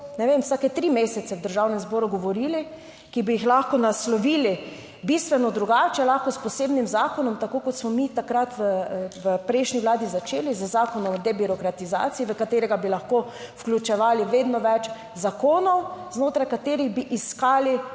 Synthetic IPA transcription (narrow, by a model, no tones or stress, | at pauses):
nɛʋemwsaːkɛt̪ɾimeːsɛt̪sɛwd̪əɾʒawnɛmzbɔːɾuɡɔʋɔɾili | kibijixlaxkɔnaslɔʋiːli | bist̪ʋɛnɔd̪ɾuɡaːt͡ʃɛlaxkɔspɔseːbnimzaːkɔnɔmt̪akoːkɔt̪smɔmit̪akɾat̪ʋəʋəpɾɛɪʃniʋlaːd̪izat͡ʃeːlizəzaːkɔnɔmd̪ɛbiɾɔkɾat̪iza̰ːt̪siiʋəkat̪eːɾɛɡabilaxko | fklʲjut͡ʃɛʋaːliʋeːd̪nɔʋɛt͡ʃ | zakoːnɔwznoːt̪ɾajkat̪eːɾiɣbiʔiskaːli